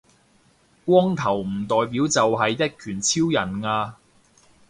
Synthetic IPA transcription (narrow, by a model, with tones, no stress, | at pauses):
kʷɔː˥ŋt̪ʰɐ˨˩wm̩˨˩t̪ɔː˨jp̬iː˨˥wt͡sɐ˨wɦɐ˨jt̪ɐ˥t̚kʰyː˨˩nt͡sʰiː˥wjɐ˨˩nŋaː˧